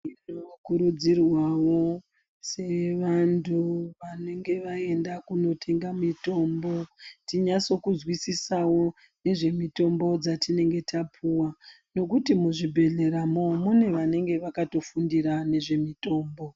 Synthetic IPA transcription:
inokuɾud͡zirwawo̞ | se̞ʋantʰuʋane̞ŋɡe̞ʋae̞ndakuno̞tʰe̞ŋɡamito̞ːmbo̞tiɲaso̞kuzwisisawo̞ | ne̞ʐe̞mito̞mbo̞d͡zatine̞ŋɡe̞tʰapʰuwa | no̞k̬utimuʐibʱe̞ɮe̞ɾamomune̞ʋane̞ŋɡe̞ʋakato̞fundiɾane̞ʐe̞mito̞ːmbo̞

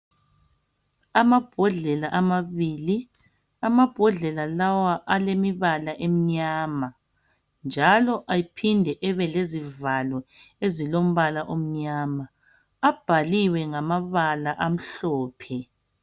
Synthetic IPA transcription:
amab̥ʱɔɮɛlaʔamaβiːli | amab̥ʱɔɮɛlalawaʔalemiβalaʔem̩ɲaːma | nd͡ʒʱalɔʔajipʰindʱɛʔɛβɛlezivalɔezilom̩βalaʔom̩ɲaːma | ab̥ʱaliwɛŋamaβalaʔam̩ɬɔːpʰɛ

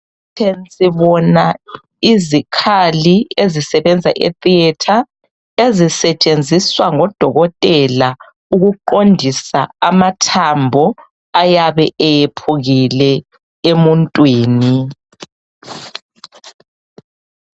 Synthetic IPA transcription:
tʰensʼiβɔna | izikʰaliezisɛβɛnd͡zʱa̰ʔḛtiɛtʰa | ezisɛt͡ʃʼend͡zʱiswaŋɔd̥ʱɔɣɔtʼɛla | uɣuǃondʱisaːmatʰambʱɔ | ajaβɛʔɛjepʰuɣilɛ | emuntʼwiːni

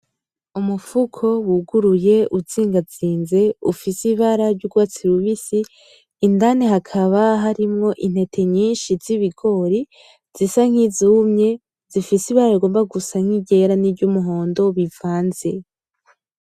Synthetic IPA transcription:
umufukʰo̞wuɡuɾuje̞ʔuziːŋɡaziːnze̞ufisiβaɾaɾɟuɡwaːt͡siɾuβisiː | ndaneɦakʰaβaɦaɾimŋo̞ʔin̥he̞tʰe̞ɲiːnʃiziβiɡo̞ɾi | z̥isaŋ̥hizuːmɲe̞ | z̥ifisiβaɾaiɡo̞ːmbaɡusaŋ̥iɟe̞ɾanibɟumuɦo̞ːndo̞βivaːnze̞

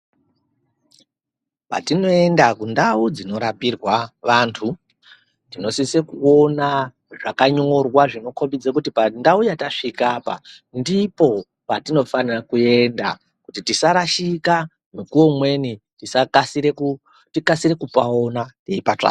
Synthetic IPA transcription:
pa̰tino̞e̞ndakundaud͡zino̞ɾapirwaʋantʰu | ndino̞sisekuo̞na | ʐakaɲorwaʐino̞kʰombid͡zekutipandaujataʂikaːpa̰ | ndipo̞ | patino̞fanirakue̞nda̰ | kutitisaɾaʃika | mikuo̞mwe̞ni | tisakasiɾek | tikasiɾe̞kupao̞nateipat͡ʂa̰ː

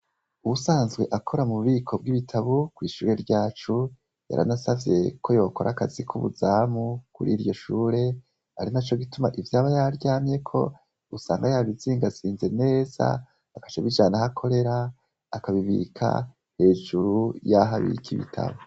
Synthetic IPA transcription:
uβusaːnzɡwe̞ʔakʰo̞ɾamuuβiːkʰo̞b̚ɡiβitʰaβukwiːʃuːɾe̞ɾɟaːt͡ʃu | ja̰ɾʔa̰nasavje̞kʰo̞jo̞ːko̞ɾakazikʰuβṵzaːmukuɾiːɾjo̞ʃuːɾe̞ | aɾinat͡ʃoɡitumaʔivjaːβajaɾɟaːmje̞kʰo̞̰ | usaːŋɡajaβiziːŋɡaziːnze̞ne̞ːza̰ː | kḁt͡ʃaβid͡ʒaːnahakʰo̞ɾe̞ɾaː | kaβiβḭkʰa̰ | he̞ːʒuɾujaɦaβḭkʰiβḭtʰa̰βu

